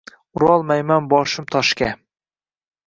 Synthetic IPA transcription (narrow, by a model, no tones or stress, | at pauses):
ʊɾɒlˠmajmanbɒʃɪmt̪ʰɒʃkʲa